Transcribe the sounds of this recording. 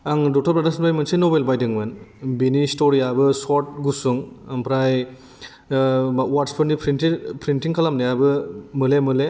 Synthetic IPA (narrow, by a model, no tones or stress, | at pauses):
aŋdɔk̚tʰɐɾpɾadasanpɾajmɐnsenobelbajdɯŋmɯnbinistoɾijabɯsoɾt̚ɡusuŋɐmpɾaj | watspʰɯnipʰɾintipɾintiŋkʰalamnɐjabɯmɯlemɯle